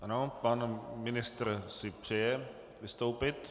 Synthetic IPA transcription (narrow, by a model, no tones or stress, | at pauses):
ʔanopanmɪnɪst̪rsɪpr̝̥ɛjɛ | vɪst̪owpɪt̪